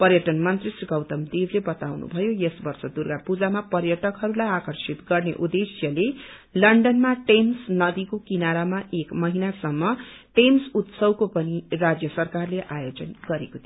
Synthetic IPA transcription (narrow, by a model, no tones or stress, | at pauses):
pʌrjʌʈʌnmʌnt̪risiɡʌwt̪ʌmd̪iblebʌt̪awnṵbʱʌjojesbʌrsʌd̪urɡapud͡zamapʌrjʌʈʌkɦʌɾulajakʌrsit̪ɡʌrnḛʔud̪esjʌle | lʌɳɖʌnmaʈensnʌd̪ikokinaɾamaʔekmʌɦinasʌmːʌʈemsut̪sʌwkopʌnirad͡zjʌsʌrkarleʔajod͡zʌnɡ̥ʌɾekot̪ʰi